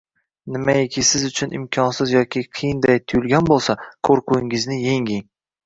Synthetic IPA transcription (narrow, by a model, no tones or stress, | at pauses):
nɪmaekʲʰɪsɪzʊt͡ʃʰʊnɪ̰mkʲʰɒnsɪzjɒkʲʰiqʰejɪnd̪ajt̪ʰʊjʊlɡʲanbolˠsakʰoɾqʰʊɪŋɪznɪje̞ŋʲɪŋ